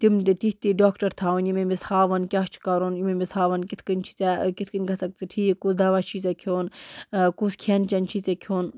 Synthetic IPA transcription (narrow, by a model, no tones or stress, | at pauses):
t̪imt̪it̪iht̪iɖaːkʈɐɾt̪ʰaːunjimemishaːʋɐnkʲat͡ʃʰi̥kɐɾonjimemisaːʋɐnkit̪ʰkɐnʲt͡ʃʰi̥t͡sekit̪ʰkɨnʲɡɐsɐk̚t͡sʰiʈʰiːkkusd̪ɐʋat͡ʃʰit͡sekʰoːnkuskʰent͡ʃɐnʲt͡ʃʰit͡sekʰoːn